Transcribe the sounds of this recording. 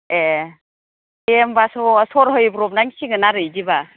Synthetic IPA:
e | embasɔsɔɾɦɯjbɾɔp̚naŋsiŋɯnaɾɯjziba

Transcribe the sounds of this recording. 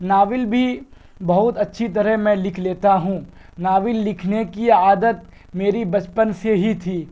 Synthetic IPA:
naːʋɪlbʱi | bɐɦʊt̪ɐtːʃʰit̪ɐɾəmɛ̃lɪkʰleːt̪aɦũː | naːʋɪlːɪkʰnekiaːd̪ət̪̚ | meːɾibɐt͡ʃpənseɦit̪ʰiː

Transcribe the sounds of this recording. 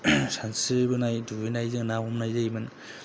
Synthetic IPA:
sansɯbɯnajduɯjnajzɯŋnaɔmnajzɯimɯn

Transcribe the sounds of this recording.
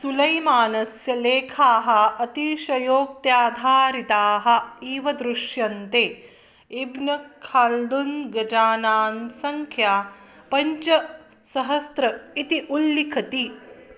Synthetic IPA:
sulɐjmaːnɐsjɐleːkʰaːɦɐ̆ʔɐt̪iʃɐjoːk̚t̪jaːd̪ʱaːɾit̪aːɦɐ̆iːʋɐd̪ɾuʃjɐnt̪e | ibnɐkʰːald̪unɡɐd͡ʒaːnaːnsɐŋkʰjaː | pɐɲt͡ʃɐ | sɐɦɐst̪ɾɐit̪iʔulːikʰɐt̪i

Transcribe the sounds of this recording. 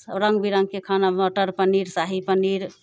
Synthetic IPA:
əɾə̃ŋɡbiɾəŋɡkekʰanamoʈəɾpəniɾsaɦipəniɾ

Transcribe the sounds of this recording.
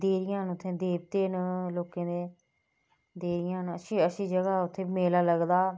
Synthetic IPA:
d̪eːɾɪjãːnʊt̪ʰːẽːd̪eːb̚t̪eːnloːkẽːd̪eː | d̪eːɾɪjãːnəsĩːəsĩːd͡ʒəɡaːʊt̪ʰːeːmeːlaːləɡd̪aː

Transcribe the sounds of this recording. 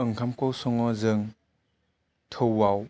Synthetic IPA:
ɯŋkʰamkowsɔŋɔzɯŋ | t̪ʰowaw

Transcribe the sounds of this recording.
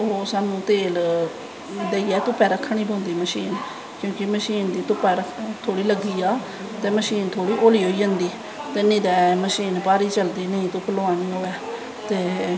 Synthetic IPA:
oːsaːnũːt̪eːl | d̪eiːɛːt̪ʊpɛːɾəkʰːaɳ̃iːp̬õːnd̪iːməʃiːn | kjõːkɪməʃiːnd̪iːt̪ʊpɛːɾət̪ʰoːɽiːləɡːiːaː | t̪eːməʃiːnt̪ʰoːɽiːʔoːliːɦoːiːd͡ʒənd̪iː | t̪eːnĩːd̪ɛːməʃiːnpaːɾiːt͡ʃəld̪iːnəĩːt̪õːpəlaːniːɦoːɛː | t̪eː

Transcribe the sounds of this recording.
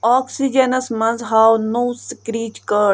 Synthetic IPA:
aːksid͡ʒɐnɐsmɐ̃nzɦaːwnowskɾiːt͡ʃkə

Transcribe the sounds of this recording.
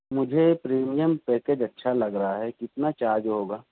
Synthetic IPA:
mʊd͡ʒʱepɾiːmijəmpeːked͡ʒɐtːʃʰalɐɡɾɐɦaɦɛkɪt̪nat͡ʃaːɾd͡ʒɦoːɡaː

